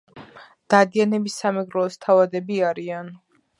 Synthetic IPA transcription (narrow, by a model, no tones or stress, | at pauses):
d̪̥ad̪ianɛbisamɛɡɾɔːst̪ʰavad̪ɛbiaɾian